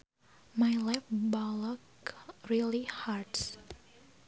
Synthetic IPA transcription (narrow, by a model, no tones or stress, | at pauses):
majlajfbɔlɔkɹilihaɹds